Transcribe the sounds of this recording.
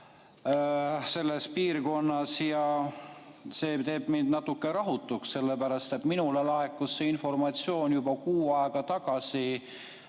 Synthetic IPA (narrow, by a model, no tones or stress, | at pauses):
se̞lːe̞spiːrko̞nːɑsjɑ | se̞ːt̪e̞ːb̥mind̪nɑt̪ːukːeɾɑɦut̪ːˑuksse̞lːepæɾɑst̪e̞t̪minulelɑekːusːeinfo̞rmɑt̪sio̞ːnjubɑkuːɑeɡ̥ɑt̪ɑɡ̥ɑsi